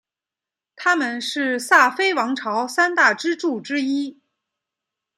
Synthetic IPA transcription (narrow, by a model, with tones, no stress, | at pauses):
t̪ʰa˥mə˨nʂɻ̩˥˧sa˥˩fe˥ɪwɑ˧˥ŋʈ͡ʂʰɑ˧˥ʊsa˥nt̪a˥˩ʈ͡ʂɻ̩˥ʈ͡ʂu˥˩ʈ͡ʂɻ̩˥i˥